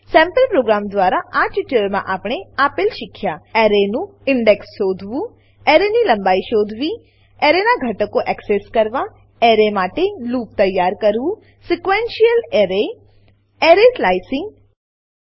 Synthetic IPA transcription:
sɛ̃mpəlpɾoɡɾamd̪ʋaɾaʔat͡ʃʈəɾmã̰ʔapɳ̃eapɪlʃɪkʰjaɛɾenũ | ɪɳɖeksʃod̪ʱʋũ | eɾenilə̃mbaiʃod̪ʱʋi | ɛɾenaɡʱəʈəkoʔɛkseskəɾʋa | ɛɾemaʈeluːp̚t̪əjːaɾkəɾʋũ | sikʋenʃijəleɾe | eɾeslaisɪ̃ŋɡ

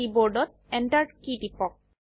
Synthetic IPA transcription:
iboɹɖɔt̪̚ɛɳʈaɾɖkiɖipɔk̚

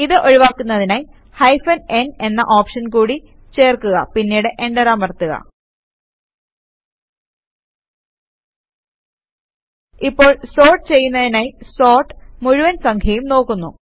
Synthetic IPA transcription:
iðɨʔoɻiʋaːkːunːɐðinaːj | hɐjfɐne̞ne̞nːɐ̰ʔoːpʂɐnkuːɽi | t͡ɕe̞ːrkuɣɐ̰pinːiːɽɨʔeɳɖɐɾaːmɐrt̪ːuɣɐ̰ | ipːo̞ːɭso̞ːrʈɨt͡ɕe̞jːunːɐðinaːjso̞ːrʈmuɻuʋɐnsɐŋkʰjɐjumno̞ːkːunːu

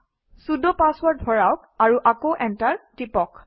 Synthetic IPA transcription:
sudɔpaswaɹt̚bʱɔɹawk̚aɹuʔakoʔɛntaɹtipɔk

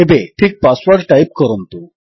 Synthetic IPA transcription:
ebeʈʰiːk̚pasʋaɾʈʈajp̚kɔɾɔnt̪u

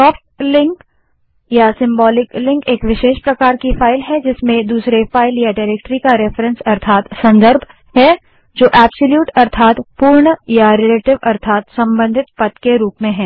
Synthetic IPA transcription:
ɔːfʈlɪ̃ŋk | jasɪ̃mbɔːlɪklɪ̃ŋkeːkʋɪʃeːʃpɾɐkaːɾkifʰaːɪlɦɛd͡ʒɪsmẽd̪uːsɾefaːɪljaɖaːɾeːk̚ʈɾikaɾɛfɾə̃nsɐɾt̪ʰaːt̪sɐ̃nd̪əɾbʱ | ɦɛ | d͡ʒoːʔɛːbsoljuːʈɐɾt̪ʰaːt̪puːɾɳjaɾɛleːʈɪʋɐɾt̪ʰaːt̪sɐ̃mbə̃nd̪ʱɪt̪pɐt̪keɾuːpmẽɦɛ̃ː

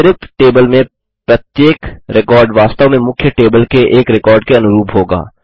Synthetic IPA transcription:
ɾɪt̪ʈeːbəlmẽ | pɾɐt̪jeːkɾɪkɔːɾɖʋaːst̪əʋmẽmʊkʰːjəʈeːbəlkeʔeːkɾɪkɔːɾɖkeɐnʊɾuːpɦoːɡa̰ː

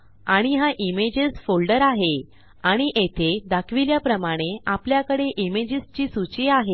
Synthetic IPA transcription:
aɽ̃iɦaʔimed͡ʑesfolɖəɾaɦe | aɽ̃iʔet̪ʰed̪akʰʋiljapɾəmaɽ̃eapljakəɽeʔimed͡ʑist͡ɕiːsut͡ɕiaɦe

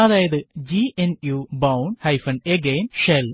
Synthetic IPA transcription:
ɐd̪aːjɐðɨd͡ʑienjubɐwɳɖhɐjfɐɳɖeɡeːnʂel

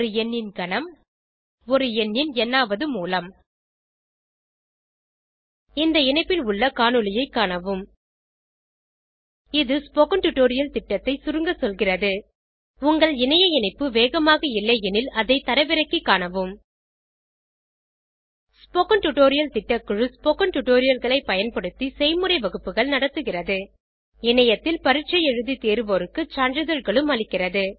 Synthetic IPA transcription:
ɔɾɯɛnːɪnkɐɳɐm | ɔɾɯɛnːɪnɛnːaːʋɐðɯmuːlɐm | ɪnd̪ɐɪnɐɪpːɪlʊɭːɐkaːnɯlɪjɐɪkːaːɳɐʋɯm | ɪðɯspoːkɐɳʈʊʈːoːɾɪjɐlt̪ɪʈːɐt̪ːɐɪsʊɾɯŋɡɐsɔlɣɪrɐðɯ | ʊŋɡɐɭɪnɐjɐɛnɐɪpːɯʋeːɣɐmaːɣɐɪlːɐɛnɪlɐðɐɪt̪ɐɾɐʋɪɾɐkːikːaːnɐʋɯm | spoːkɐnʈʊʈoːɾɪjɐlt̪ɪʈːɐkːɯɻɯspoːkɐnʈʊʈoːɾɪjɐlɣɐɭɐɪpɐjɐnpɐɽɯt̪ːisɛɪmɯɾɐɪʋɐɣɯpːɯɣɐɭnɐɽɐt̪ːɯɣɪrɐðɯ | ɪnɐjɐt̪ːɪlpɐɾɪt͡ʃːɐjɛɻɯðit̪eːɾɯʋoːɾɯkːɯt͡ʃaːnɖɾɪðɐɻɣɐɭɯmɐɭɪkːɪrɐðɯ

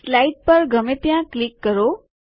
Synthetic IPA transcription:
laiʈ̚pəɾɡʱəmepjãklikːəɾo

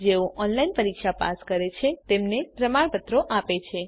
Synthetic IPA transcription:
d͡ʒeoʔɔnlainpəɾikʃapa̰skəɾet͡ʃʰet̪emnepɾəmaɭpət̪ɾoʔapet͡ʃʰe

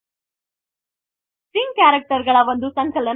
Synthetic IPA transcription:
siŋkæɾək̚ʈəɾɡəɭaʋənd̪ʱuːsə̃ŋkələn

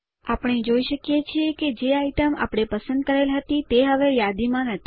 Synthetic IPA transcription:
apəɳ̃ed͡ʒoiʃəkjet͡ʃʰieked͡ʒeaiʈ̪əma̰pɽ̃epəsə̃nd̪̚kəɾelɦət̪it̪eɦəʋejad̪imãnət̪ʰi

